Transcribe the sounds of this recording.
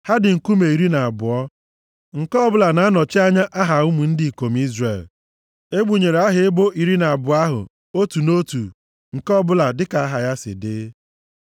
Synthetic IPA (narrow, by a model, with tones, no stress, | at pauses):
ha˦dɪ˨ŋ̩˨ku˦me˨i˨ɾi˦na˨a˨bʊ˨ɔ˦ | ŋ̩˨kɔ˦bʊ˦la˨na˨a˦nɔ˨t͡ʃɪ˦a˦ɲa˦ʔa˦ɦa˨ʊ˦mu˨n̩˦di˨i˨ko˨m̩˦i˦zre˨l | e˦ɡ͡bu˨ɲe˨ɾe˨a˦ɦɪ˨˦ɪ˦bo˦ʔi˨ɾi˦na˨a˨bʊ˨a˦ɦʊ̰˨ | o˦tu˨no˦tu˨ | ŋ̩˨kɔ˦bʊ˦la˨dɪ˦ka˨a˦ɦa˨ja˦sɪ̰˨dɪ˦